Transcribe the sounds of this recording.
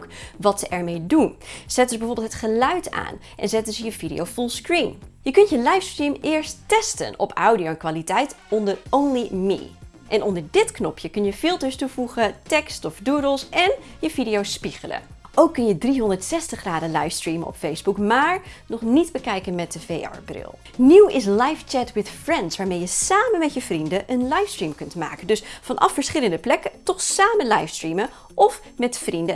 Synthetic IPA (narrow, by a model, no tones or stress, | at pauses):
kʋɑtsəʔɛɹmejdunz̥ɛt̚dəzəbɛjvoːɹbɪlˠtʰətχəlœɥta̰ːn | ʔɛ̰nzɛtdzəjəvidḭjowfulˠskɹimjəkɵntjəlɑjfstrimɪːɹstɛstə̰nʔɔ̰pawdioɛnkʋaːlitɛjtɔndəɹʔownlimḭ | ʔɛnɔndəɹdɪtknɔpʰjəkɵnjəfɪlˠtəɹstuvuχətɛkstɔfdudəlˠsɛnjəv̥idijowspiχələ̰ | ʔowkːɵnjədriɦɔndəɹtsɛstəχraːdəlajfstriməɔ̰pfejzbukmaːɹnɔχnidbəkɛjkənmɛt̚əvejɛ̰ɹbrɪ̰lˠ | niwɪs̬lɑjft͡ʃɛtwɪθfrɛntsʋaːɹmejəsaːmənmɛtjəvrindəʔənlajfstriːmkɵntma̰ːkəndɵsfɑnʔɑ̰fːəɹsχɪləndəplɛkətɔχsaːmənlajfstɹimə | ʔɔf | mɛtfrində